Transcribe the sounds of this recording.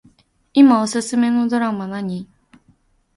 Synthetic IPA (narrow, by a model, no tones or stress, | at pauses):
imaosɨsɨme̞no̞d̪o̞ɾamanaɲ̟i